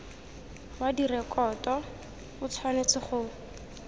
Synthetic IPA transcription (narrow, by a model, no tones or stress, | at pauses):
wadirɛkʼɔtɔ | bʊt͡sʰwanet͡sɪχʊ